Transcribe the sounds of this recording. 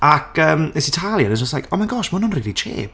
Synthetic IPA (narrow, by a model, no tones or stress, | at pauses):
akʰəːməsitʰalˠjənənd͡ʒɔstlajkʰɔmanɡɔʃmənʊnriɾit͡ʃʰḛːb̥